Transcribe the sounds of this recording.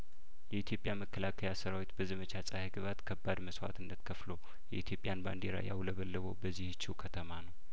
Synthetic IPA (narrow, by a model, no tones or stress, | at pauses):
jɛit̪ʰjo̞pʼjaməkːəlakʰəjasəɾawit̪bəzəmət͡ʃasʼaheɡɨβat̪kʰəbːad̪məswa̰t̪ʰɨnːət̪kʰəflo̞ | jɛ̰ʔit̪ʰjo̞pʼjanband̪eɾa̰ja̰wləβəlːəβobəzːihɨt͡ʃːiukʰət̪ʰəmanəw